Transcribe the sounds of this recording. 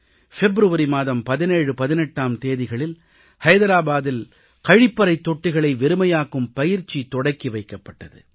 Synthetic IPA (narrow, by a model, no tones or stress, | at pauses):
fɛbɾɯʋɐɾimaːðɐmpɐðɪneːɻɯpɐðɪnɛʈːaːmt̪eːðɪɣɐɭɪl | hɐjðɐɾaːbaːðɪl | kɐɻɪpːɐɾɐɪt̪ːɔʈːɪɣɐɭɐɪʋɛɾɯmɐjaːkɯmpɐjɪɾt͡ʃːit̪ɔɽɐɪkːiʋɐɪkːɐpːɐʈːɐðɯ̰